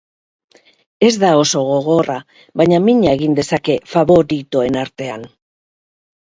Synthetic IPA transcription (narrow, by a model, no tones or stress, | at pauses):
e̞zd̪ao̞so̞ɣ̞o̞ɣo̞ra | βaɲamiɲae̞ɣ̞ind̪e̞sake̞faβo̞ɾit̪oe̞naɾt̪e̞an